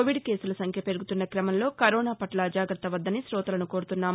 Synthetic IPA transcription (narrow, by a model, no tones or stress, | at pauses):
oʋiɖke̞ːsulɐsɐŋkʰjɐpe̞ɾuɡut̪unːɐkɾɐmɐnlo̞ːkɐɾɔːnaːpɐʈlɐd͡ʒaːɡɾɐt̪ːɐʋɐd̪ːɐnisɾɔːt̪ɐlɐnukoːɾut̪unːaːm